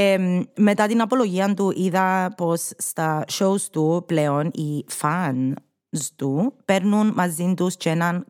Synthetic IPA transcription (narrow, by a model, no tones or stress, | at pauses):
emet̪ɐt̪inɐpo̞lo̞ʝiɐnt̪uʔiðɐpo̞sːt̪ɐʃowst̪upleo̞nifɐn | st̪upeɾnunmɐzint̪ust͡ʃenɐn